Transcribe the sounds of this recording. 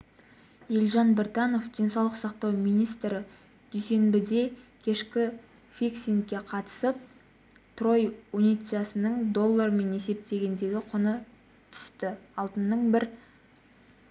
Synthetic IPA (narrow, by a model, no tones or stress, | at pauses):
jelʲʒɑnbɪɾt̪ɑno̞fd̪ijnsɑwlˠəqsɑqt̪ɑwmijnijst̪ɾɪ | d̪̥ʏjse̞nbɪd̪e̞kʲʰe̞ʃkʲɪ | fiksʲinkʲːe̞qʰɑt̪ə̥səp̚ | t̪ro̞junijt̪sɨjasənəɴd̪o̞lˠːarme̞ne̞se̞p̚t̪e̞ɡʲe̞nd̪e̞ɡʲɪqʰʊnə | t̪ʰʏ̥st̪ɪɑlˠt̪ənːəɴbɪɾ